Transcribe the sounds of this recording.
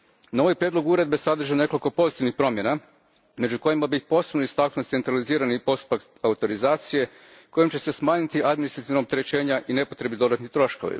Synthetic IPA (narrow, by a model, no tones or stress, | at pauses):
nao̞ʋojpɾjed̪lo̞ɡuuɾe̞d̪̚be̞sad̪r̩ʒane̞ko̞lʲko̞po̞zit̪iʋnixpɾo̞mje̞na | me̞d͡ʒuko̞jimabipo̞se̞bnoist̪aknut̪t̪e̞nt̪ɾaliziːɾanipo̞st̪u̥pak | aut̪o̞ɾizaːt̪sije̞ | ko̞jimt͡ɕe̞se̞smaːɲit̪iʔad̪minist̪ɾat̪iʋnaop̚t̪e̞ɾe̞t͡ɕe̞ːɲaʔine̞po̞t̪ɾe̞bid̪o̞d̪at̪nit̪ɾo̞ʃko̞̰ʋḭ